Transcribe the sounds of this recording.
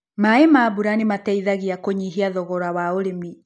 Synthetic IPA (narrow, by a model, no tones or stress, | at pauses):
maemabuɾanematɛiðaɣiakoɲiɦiaðɔɣɔɾawaoɾemi